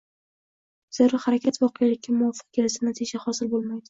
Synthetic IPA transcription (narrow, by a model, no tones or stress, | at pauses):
z̥ɪɾɪhaɾakʲʰat̪vɒqʰɨjalɪk̚ʲːamʊvɒfɨ̥q̚kʲe̞lɪsɪnat̪ʰid͡ʒahɒsɪlbolˠmajd̪ɪ